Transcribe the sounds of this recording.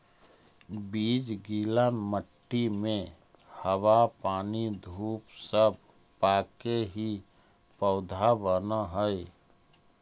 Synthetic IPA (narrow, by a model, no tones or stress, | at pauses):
biːd͡ʒɡiːlaməʈːimẽ | həwapaːnid̪ʱuːpsəb̚ | paːkeɦi | pəʊd̪ʱabənaɦəe